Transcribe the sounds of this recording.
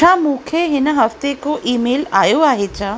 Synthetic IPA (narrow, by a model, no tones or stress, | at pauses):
amũːkʰeɦɪnəɦəft̪ekoʔiːmeːlaːjoaːɦet͡ɕʰa